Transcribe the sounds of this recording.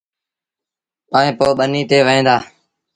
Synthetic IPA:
paːẽːpoːɓəniːt̪eːʋəẽːd̪aː

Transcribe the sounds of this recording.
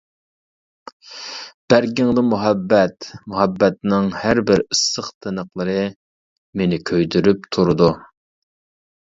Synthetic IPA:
b̥æɾɡʲɪŋd̪ɨmuɦɛbːɛt̪muɦɛbːɛt̪nɨŋhæɾbɪɾɨsːəχt̪ʰɨnəqlˠəɾɨ | menɪkʲʰøjd̪yɾyp̚t̪ʰuɾud̪u

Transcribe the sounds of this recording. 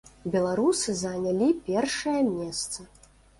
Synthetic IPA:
bʲɛlˠaɾusɨzɐnʲalʲipʲɛrʂɐjɐmʲɛst̪sɐ

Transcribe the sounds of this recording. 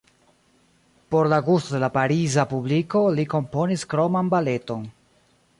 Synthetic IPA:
po̞ɾlaɡustode̞lapaɾizapubliko̞liko̞mpo̞niskɾo̞manbale̞to̞n

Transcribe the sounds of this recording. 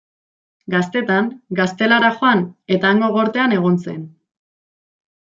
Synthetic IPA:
ɡast̪e̞t̪aŋɡast̪e̞laɾaxoane̞t̪aːŋɡo̞ɣo̞ɾt̪e̞ane̞ɣ̞o̞nse̞n

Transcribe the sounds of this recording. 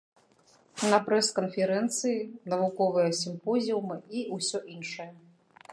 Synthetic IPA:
nɐpɾɛskɐnfʲɛɾɛnt̪sɨjinɐvukɔvɨjɐsʲimpɔzʲiwmɨiusʲɔʔinʂɐjɐ

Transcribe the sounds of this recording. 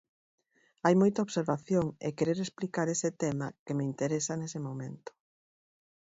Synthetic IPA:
ajmojt̪ɐoβseɾβaθjoŋḛkeɾeɾesplikaɾesɪt̪ɛmɐkemɪint̪eɾesɐnesɪmomẽnt̪ʊ̥

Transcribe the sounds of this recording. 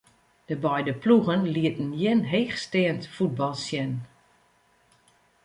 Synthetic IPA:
d̥əbɛjdəpluɣənliətən̩jɪnɦeːxstɪəntfud̚bɔlˠsjɛn

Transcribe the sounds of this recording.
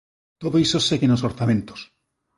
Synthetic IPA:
t̪oðoisosekenosoɾθamẽnt̪o̥s

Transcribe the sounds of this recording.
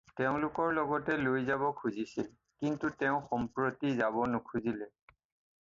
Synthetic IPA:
tɛʊ̃lʊkɔɹlɔɡɔtɛlojzabɔkʰuzisil | kintutɛʊ̃xɔmpɹotizabɔnʊkʰuzilɛ

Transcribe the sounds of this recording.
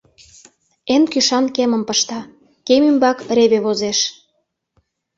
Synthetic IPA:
enkyʃɑnkemə̆mpəʃt̪ɑ | kemymbɑkɾeβeβozeʃ

